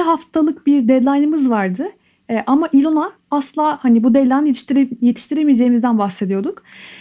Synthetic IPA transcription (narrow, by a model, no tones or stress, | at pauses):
ɦaft̪ʰalˠɯk̚biɾd̪ɛd̪lʲˠajnɯmɯzvaɾd̪ɯ | ʔamaʔilʲona | aslˠaːhanibud̪ɛlʲant̪ɾje̞t̪ʰi̥ʃt̪ʰiɾemijd͡ʒe̞jimizd̪ænbaxse̞d̪ijo̞d̪uk